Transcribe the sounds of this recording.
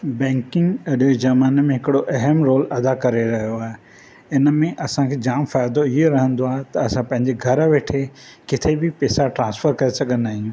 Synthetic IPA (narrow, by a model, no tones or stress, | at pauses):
bɛ̃ːŋkɪ̃ŋɡɐɗed͡ʑɐmaːnmẽɦɪkɪɽoʔɐɦəmɾoːlɐd̪akɐɾeɾɐɦijoaːɦe | ɪnəmẽʔɐsãkʰeːd͡ʑaːmfaːjd̪oiɦeɾɐɦə̃nd̪oaːɦet̪ɐɐsãpɐ̃ɦɪ̃ɲd͡ʑeɡʱɐɾʋeːʈʰe | kɪt̪ʰebɪpɛːsaʈɾãːnsfəɾkɐɾesɐɡʱənaːɦĩũ